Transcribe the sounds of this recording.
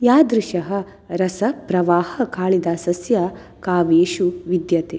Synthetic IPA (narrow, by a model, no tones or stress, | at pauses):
jaːd̪ɾiʃɐɦɐ̆ | ɾɐsɐpɾɐʋaːhɐkaːɭid̪asɐsjɐ | kaːʋeːʃuʋid̪jɐt̪e